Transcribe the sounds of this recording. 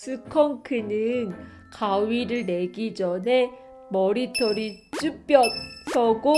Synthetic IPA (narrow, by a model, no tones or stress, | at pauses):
sʰɯkʰʌŋkʰɯnɯn | kawiɾɯɭne̞ɡid͡ʑʌnɦe̞ | mʌɾitʰʌɾit͡ɕ͈up͈jʌsʰʌɡo